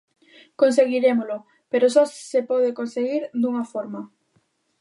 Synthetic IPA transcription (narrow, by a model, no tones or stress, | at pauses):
kons̬eɣ̞iɾemolʊ | peɾosɔsepɔð̞ekonseɣiɾd̪uŋafɔɾma